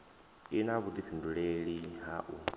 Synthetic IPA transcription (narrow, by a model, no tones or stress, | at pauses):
inaβud̪iɸʰinduɺeɺiɦaʔu